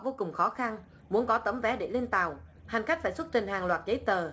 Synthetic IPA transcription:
voː˧kʊ˨˩ŋ͡mxɔ˨˦xa˧n | mu˨˦ənkɔ˨˦t̪ə˨˦mvɛ˨˦ɗe˧˩le˧nt̪a˨˩wha˨˩ŋ̟ka˦˥k̟̚faː˧˩sə˦˥t̚t̪ï˨˩ŋ̟ɦaː˨˩ŋlwaː˨˩t̚zə˨˦jt̪əː˨˩

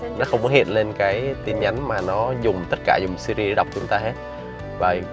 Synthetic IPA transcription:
nɔ˨˦xə˧wŋ͡mkɔ˨˦hḭ˧˨ənle˧nkaː˨˦jt̪i˧nɲa˨˦jŋ̟maː˨˩nɔ˨˦zʊ˨˩ŋ͡mt̪ə˦˥t̚kaː˧˩zʊ˨˩ŋ͡msi˧ɾi˧e˨˦ɗa˨˩wk͡p̚t͡ɕʊ˨˦ŋ͡mt̪aː˧he˦˥t̚ | vaː˨˩

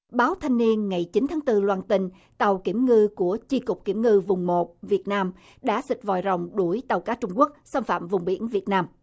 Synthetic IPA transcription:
ɓaː˨˦wt̪ʰa˧jŋ̟ni˧ənŋa˨˩jt͡ɕi˨˦nt̪ʰaː˨˦ŋt̪ɨ˧lwaː˧nt̪ï˧ŋ̟ | t̪a˨˩wki˧˩əmŋɨ˧ku˧˩ət͡ɕi˧kʊ˨˩k͡p̚ki˧˩əmŋɨ˧vʊ˨˩ŋ͡mmo˨˩t̚vi˨˩ət̚naː˧m | ɗa̰ː˧˥sï˨˩k̟̚vɔ̰˧˨˩jzə̰˨˩wŋ͡mɗu˧˩əjt̪a˨˩wkaː˨˦˥t͡ɕʊ˧ŋ͡mku˦˥ək̚sa˧nfa̰ː˧˨mvʊ˨˩ŋ͡mɓḭ˧˩ənvi˨˩ət̚naː˧m

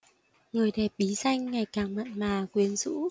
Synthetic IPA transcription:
ŋɨ˨˩əjɗɛ˨˩p̚ɓi˨˦za˧jŋ̟ŋa˨˩jkaː˨˩ŋmə̰˧˨nmaː˨˩kwi˨˦ənzṵ˧˥

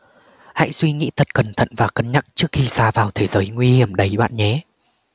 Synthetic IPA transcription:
ha̰˧˨jswi˧ŋḭ˧˥t̪ʰə˨˩t̚kə˨˩nt̪ʰə̰˧˨nvaː˨˩kə˨˦nɲa˦˥k̚t͡ɕɨ˦˥ək̚xi˧saː˧vaː˨˩wt̪ʰe˨˦zəː˨˦jŋwi˧hi˨˧˩əmɗə˨˦jɓa̰ː˧˨nɲɛ˨˦

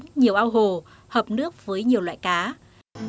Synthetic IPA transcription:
ɲi˨˩əwʔaː˧wɦo˨˩ | həː˨˩p̚nɨ˦˥ək̚vəː˨˦jɲi˨˩əwla̰ː˧˨jkaː˨˦

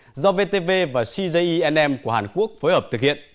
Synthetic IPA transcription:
zɔ˧ve˧t̪e˧ve˧vaː˨˩si˧zə˧jʔi˧ʔɛ˧nʔɛ˧mku˧˩əhaː˨˩nku˦˥ək̚foː˨˦jhəː˨˩p̚t̪ɨ˨˩k̚hḭ˧˨ən

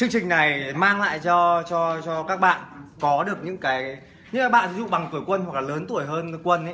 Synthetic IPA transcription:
t͡ɕɨ˧əŋt͡ɕï˨˩ŋ̟na˨˩jmaː˧ŋla̰ː˧˨jt͡ɕɔ˧t͡ɕɔ˧t͡ɕɔ˧kaː˦˥k̚ɓa̰ː˧˨nkɔ˨˦ɗɨ˨˩ək̚ɲɨ̰˧˥ŋkaː˨˦j | ɲɨ̰˧˥ŋkaː˨˦ɓa̰ː˧˨nt̪i˨˦zṵ˧˨ɓa˨˩ŋt̪u˧˩əjkwə˧nhwa˨˩k̚laː˨˩ləː˨˦nt̪u˧˩əjɦəː˧n˧kwə˧nʔa˨˦

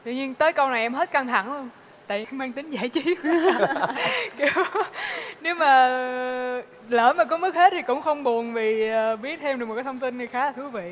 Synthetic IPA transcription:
t̪wḭ˧˨ɲi˧ənt̪əː˨˦jkə˧wna˨˩jʔɛ˧mɦe˦˥t̚ka˧ŋt̪ʰa̰˧˩ŋlu˧ən | t̪a̰ː˧˨ʔmaː˧ŋt̪ï˨˦ŋ̟zaː˧˩jt͡ɕi˨˦p | ki˨˦w | ne˨˦wmaː˨˩ | ləː˧˩maː˨˩kɔ˨˦mɨ˦˥k̚he˦˥t̚t̪ʰi˨˩kʊ̰˧˥ŋ͡mxə˧wŋ͡mɓu˨˩ənvi˨˩˨ɓi˦˥ət̚t̪ʰɛ˧mɗɨ˨˩k̚mo˨˩kːaː˨˦t̪ʰŋ͡mt̪i˧nnɨ˨˩xaː˨˦laː˨˩t̪ɨ˨˦əvḭ˧˨

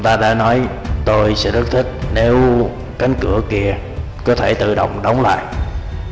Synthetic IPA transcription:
ŋ͡mt̪aː˧ɗa̰ː˧˥nɔ˨˦j | t̪o˧jsɛ̰˧˥ɗɨ˦˥k̚t̪ʰï˦˥k̚ne˨˦w | ka˨˦jŋ̟kɨ˧˩əki˧ə | kɔ˨˦t̪ʰe˧˩t̪ɨ̰˧˨ɗə̰˧˨wŋ͡mɗə˨˦wŋ͡mla̰ː˧˨jʔ

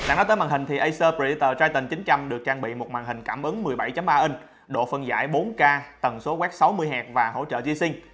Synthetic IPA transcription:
a̰˧˨ŋnɔ˨˦jt̪ə˨˦jmaː˨˩ŋhï˨˩ŋ̟t̪ʰi˨˩ʔə˧jsəː˧pi˧˩t̪əː˧˩t͡ɕaː˧jt̪ï˨˩ŋ̟t͡ɕï˨˦ŋ̟t͡ɕa˧mɗɨ˨˩ək̚t͡ɕaː˧ŋɓḭ˧˨mo˨˩t̚maː˨˩ŋhï˨˩ŋ̟kaː˧˩mʔɨ˨˦ŋmɨ˨˩əjɓa˧˩jt͡ɕa˨˦mɓaː˧ʔə˧n | ɗo̰˧˨fə˧nza̰ː˧˥˩jɓo˨˦nkaː˧t̪ə˨˩nso˨˦kwɛ˦˥p̚sa˨˦wmɨ˧jɦɛː˨˩k̚vaː˨˩ho̰˧˥t͡ɕə̰ː˧˨t͡ɕi˨˦si˧ŋ̟

